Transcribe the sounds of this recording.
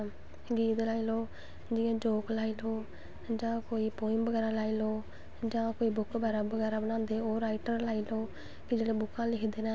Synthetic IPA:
ɡiːt̪laːiːloː | d͡ʒɪjãːd͡ʒoːklaːiːloː | d͡ʒãːkoːiːpoːɪmbəɡɛːɾaːlaːiːloː | d͡ʒãːkoːiːbʊkbɛːɾaːbəɡɛːɾaːbəñãːnd̪eːoːɾaːɪʈəɾlaːiːloː | kɪd͡ʒeːɽeːbʊkʰːãːlɪkʰd̪eːnɛː

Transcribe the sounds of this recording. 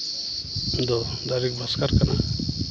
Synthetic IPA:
d̪ɔ | d̪aɾik̚bʱaskaɾkana̰

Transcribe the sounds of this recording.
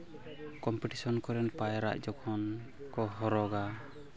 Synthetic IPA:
kɔmpiʈisɔnkɔɾɛnpajɾa̰ʔd͡ʒɔkʰɔn | kɔɦɔɾɔɡa

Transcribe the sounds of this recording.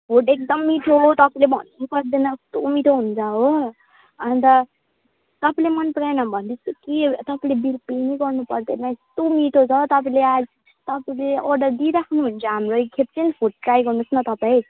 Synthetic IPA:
pʰoʈek̚d̪ʌmːiʈʰoɦot̪ʌpalebʱʌ̰nːupʌɾd̪enʌst̪umiʈʰoɦund͡zʰaɦo | ʌnt̪ʌ | t̪ʌpalemʌnpɾajnʌbʱʌnd̪isekit̪ʌpãlebilpeneɡʌɾnupʌɾd̪enast̪umiʈʰot͡sʰʌt̪ʌpãlead͡z | t̪ʌpleɔɾɖʌɾd̪iɾakʰnuɦunt͡sʰʌɦamɾokʰep̚t͡sinpʰuʈ̚ːʈɾajɡʌɾnusnʌt̪ʌpaĩ

